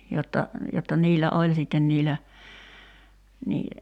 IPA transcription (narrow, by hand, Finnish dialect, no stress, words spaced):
jotːɑ jotːɑ niːlːæ olʲ sitːen niːlːæ niː